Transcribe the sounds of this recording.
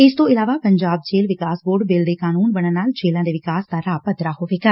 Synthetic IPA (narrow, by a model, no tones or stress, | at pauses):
ɪst̪õɪlaːʋaːpəɲd͡ʒaːb̚d͡ʒeːlʋɪkaːsboːɾɖbɪld̪eːkaːnuːnbəɽ̃ənaːld͡ʒeːlãːd̪eːʋɪkaːsd̪aːɾaːpəd̪ɾaɦoːʋeːɡaː